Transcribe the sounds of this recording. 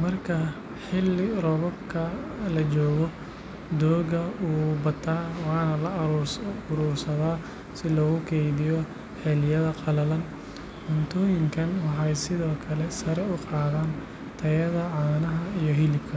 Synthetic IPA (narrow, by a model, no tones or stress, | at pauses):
mɐrkʰɐ | ħɪlːɪrɔβɔbkʰɐlɐt͡ʃɔːɣɔ | d̪ɔːɣɐuːbɐt̪ʰːaːwɑːnɐlɐrʊɾuːrsɐðaː | sɪlɔːɣʊkʰɛjðɪjɔ | ħɛlɪjɐðɐqɑlɐlɐn | ʔʊnt̪ʰɔːjɪŋkʰɐnwɑħɑjsɪðɔːkʰɐlɛsɐɾɛʊqɑːðaːn | t̪ʰɐjɐðɐʕɑːnɐɦɐijɔɦɪlɪb̚kʰɐ